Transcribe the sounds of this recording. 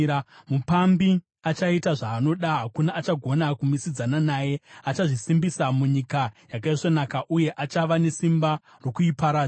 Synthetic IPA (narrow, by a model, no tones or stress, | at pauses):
mupambi | at͡ʃaitaʐaːno̞ɗaɦakunaʔːt͡ʃaɡʱo̞nakumisid͡zananaːje̞at͡ʃaʐisimbisamuɲikajak̬aiʐonakaʔuje̞ʔat͡ʃaʋane̞simba | ro̞kuipaɾa